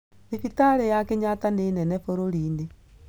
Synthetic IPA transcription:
nifitaɾejakeɲatanenɛnɛfoɾoɾiːnde

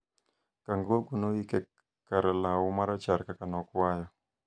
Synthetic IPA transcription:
kaŋɡoɡunoikɛ | kaɾalawumaɾat͡ʃaɾkakanɔkwajɔ

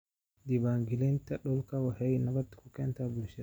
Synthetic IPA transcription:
d̪ibaŋɡilent̪ɐɗɔlkawahɛjnɐbɐt̪ɪ̥kukːɛnt̪abʊlʃɛ

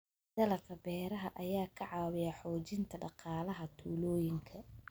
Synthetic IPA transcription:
d̪̥ɐlɐkʰɐbɛːɾɐɦɐʔɐjaːkʰɐʕɑːwɪjɐħɔːt͡ʃɪnt̪ʰɐɖɑqɑːlɐɦɐt̪ʰuːlɔːjɪŋkʰɐ

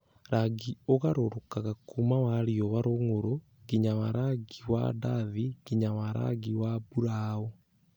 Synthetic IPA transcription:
ɾaɡioɣaɾoɾokaɣakumawaɾiɔβaɾoŋoɾo | ɣiɲawaɾaɡiwa̰daðiɡiɲawaɾa̰ɡiwabuɾao

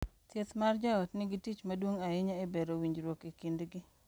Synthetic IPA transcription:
t̪jet̪mard͡ʒaɔtnɪɡitit͡ʃmadwoŋaɪɲaebeɾowiɲd͡ʒɾwokikindɡɪ

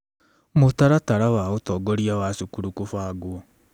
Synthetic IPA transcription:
motaɾataɾawaotɔːɡɔɾiawasukuɾukofaːɡoɔ

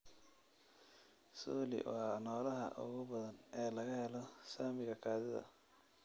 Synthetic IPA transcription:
suːlɪ̰wɑːnɔːlɐɦɐ̰ʔʊ̰ɣʊbɐðɐnɛːlɐɣɐhɛlɔsaːmɪɣɐkʰaːðɪðɐ̰

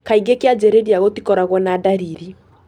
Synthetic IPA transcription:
kaiɡekead͡ʒɛɾediaɣotikɔɾaɣwɔnadaɾiɾi

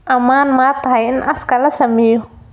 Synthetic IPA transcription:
ʔɐmaːnmaːt̪ʰɐɦɐjɪnʔɐskʰɐlɐsɐmɛːjɔ

